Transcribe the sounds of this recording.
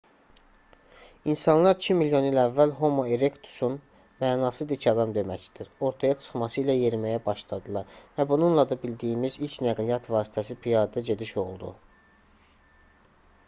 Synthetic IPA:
insɑnlˠɑɾicʰimiljo̞nilævːælɦo̞moeɾekt̪ʰu̥sun | mæːnɑːsɯd̪icʰɑd̪ɑmd̪e̞mæcd̪̥iɾo̞ɾt̪ʰɑjɑt͡ʃʰɯ̥χmɑsɯilæje̞ɾmæjæbɑʃlˠɑd̪ɯlˠɑɾvæbununlˠɑd̪ɑbild̪ijimizilt͡ʃnæɡlijɑt̪ʰvɑːsi̥t̪ʰæsipʰijɑd̪ɯɟe̞d̪iʃo̞lˠd̪ṵ

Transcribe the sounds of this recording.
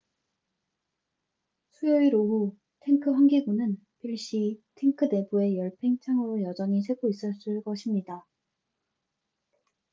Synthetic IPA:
sʰujoiɾoɦu | tʰeŋkʰɯɸwaŋɡiɡunɯn | piɭɕ͈itʰeŋkʰɯde̞bue̞jʌɭpʰeŋt͡ɕʰaŋʌɯjʌd͡ʑʌŋis̬ʰwe̞ɡois͈ɯɭs͈ɯɭk͈ʌɕʰimɲida

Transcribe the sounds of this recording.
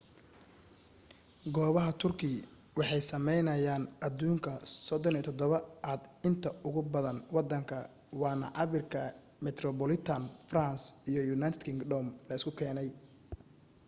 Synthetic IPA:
ɡɔːβɐɦɐt̪ʰʊrkʰɪ | wɑħɑjsɐmɛjnɐjaːnʔɐd̪uːŋkʰɐsɔd̪ɔniːt̪ʰɔd̪ɔβɐʔaːd̪ɪnt̪ʰɐʊɣʊbɐðɐnwɑd̪ːɐŋkʰɐ | wɑːnɐ̰ʕɑβɪrkʰɐ | mɛt̪ʰrɔbɔlɪt̪ʰɐnfransijɔjunajt̪ʰɪd̪kʰɪŋɡdɔːmlɐɪskʰʊkʰɛːnɛj

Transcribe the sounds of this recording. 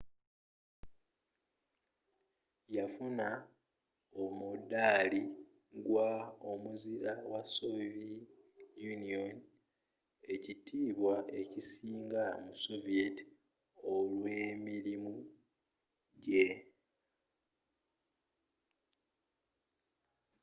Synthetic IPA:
jafuna | o̞mudːali | ɡwaomuziɾawasovi | junion | e̞citʰiːβwae̞cisiːŋɡamuso̞vieti̥ | o̞lwe̞ːmiɾimu | ɟe̞

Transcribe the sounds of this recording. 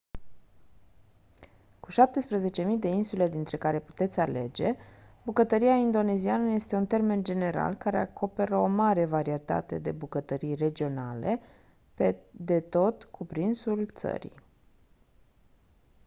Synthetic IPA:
kuʃap̚t̪e̞spɾeze̞t͡ʃe̞mid̪e̞insule̞d̪int̪ɾe̞kaɾe̞pu̥t̪e̞t̪sʲale̞̰d͡ʒe̞bukət̪əɾiaind̪o̞ne̞zianəje̞st̪e̞unt̪e̞rme̞nd͡ʒe̞ne̞ɾa̰lkaɾeakʰo̞pe̞ɾəo̞maɾe̞vaɾie̞t̪a̰t̪e̞d̪e̞bukət̪əɾijre̞d͡ʒio̞nale̞ | ped̪e̞t̪o̞t̪kʰupɾinsult̪sə̰ɾḭ

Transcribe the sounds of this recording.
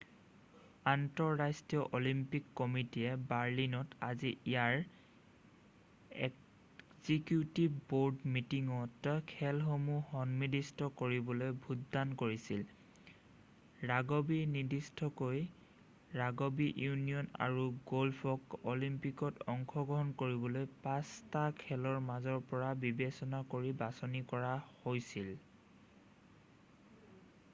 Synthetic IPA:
antɔɹːastijɔʔolimpikːɔmitiɛbaɹlinɔtaziijaɹ | ɛ | zikjutibboɹdmitiŋɔtkʰɛlɦomuhɔnmidistʰɔkoɹibɔlojbʱudːankoɹisil | ɹaɡobinidistʰɔkoj | ɹaɡobiʔjunijɔna̰ɹuɡolpʰɔkɔlimpikɔtɔŋkʰɔɡɹɔɦɔnkoɹibɔlojpastakʰɛlɔɹmazɔɹpɔɹabibesɔnakoɹibasɔnikɔɹahojsil

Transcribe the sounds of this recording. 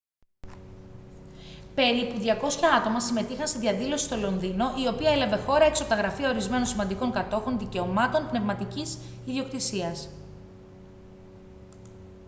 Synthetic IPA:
pe̞ɾipuðʝɐko̞sçɐɐt̪o̞mɐsime̞t̪ixɐnst̪iðʝɐðilo̞si̥st̪o̞lo̞nðino̞ʔio̞piɐeleve̞xo̞ɾɐekso̞p̚t̪ɐɣɾɐfiɐo̞ɾizme̞no̞nsimɐnd̪iko̞ŋkɐt̪o̞xonðice̞o̞mɐt̪o̞npne̞vmɐt̪icisiðio̞k̚t̪isiɐs

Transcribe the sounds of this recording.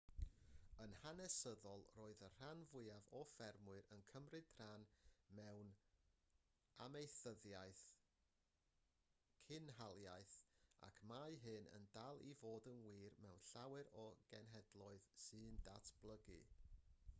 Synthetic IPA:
ənhanɛsəðɔlˠroːɨðər̥anvʊɨavɔfɛrmʊɨɾənkʰəmrɨd̥r̥anmɛwn | a̰mejθəðjajθ | kʰɪnɦalˠjajθa̰kʰmaɨɦɨnə̰ndalˠivoːdənwiːrmɛwnɬawɛɾɔɡ̥ɛnɦɛdlˠɔɨðsɨːndatʰb̥lˠəɡɨ̰

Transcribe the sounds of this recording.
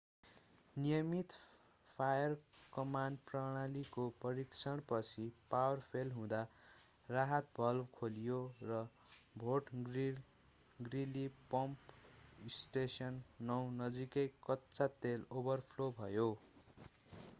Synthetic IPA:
nijʌmit̪ | pʰajʌrkʌmanprʌɽ̃alikopʌɾikt͡sʰʌɽ̃pʌt͡sʰipawʌrpʰelɦũd̪a | raɦʌt̪̚bʱʌlbkʰolijorʌ | bʱoʈɡr | ɡrilipʌmpisʈesʌnːʌwnʌd͡zikʌjkʌtːt͡sat̪elobʌrpʰlobʱʌjo

